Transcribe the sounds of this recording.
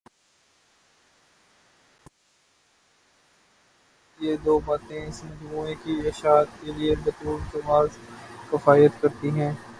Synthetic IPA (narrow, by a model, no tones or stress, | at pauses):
jeːd̪oːbaːt̪ẽɪsmɐd͡ʒmuːẽkieʃaːt̪keliebɐt̪uːlt̪ɐmaːzkɪfaːijət̪kɐɾt̪iɦɛ̃ː